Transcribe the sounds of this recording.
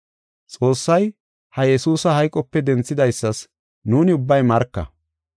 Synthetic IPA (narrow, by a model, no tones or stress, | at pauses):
t͡sʼo̞ːsːɐj | hɐjɛsuːsɐhɐjkʼɔpːɛd̪ɛnt͡sːɪd̪ɐjsːɐs | nuːnɪʊbːɐjmɐɾkːɐ̰